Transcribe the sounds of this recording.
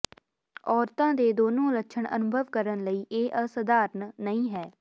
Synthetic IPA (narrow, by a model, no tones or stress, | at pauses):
ɔːɾt̪ãːd̪eːd̪oːnõːləkːʃʰəɳʔə̰nʊbʱəʋkəɾənləiːʔeːʔəsəd̪aːɾnːəĩːɦɛː